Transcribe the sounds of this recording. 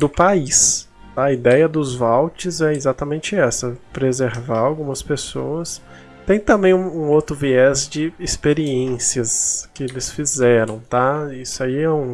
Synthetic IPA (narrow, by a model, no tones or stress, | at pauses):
d̪ʊpais | aɐɐid̪ɛjɐd̪ʊzvawt͡ʃɪzɛezat̪ɐmẽnt͡ʃɪɛsɐpɾezeɾvaɾawɡũmɐspesowɐs | t̪ẽj̃t̪ɐ̃mbẽj̃ũũowt̪ɾʊviɛzd͡ʒɪːspeɾiẽsiɐskɪelɪsfizɛɾɐ̃w̃t̪aisʊaiɛũ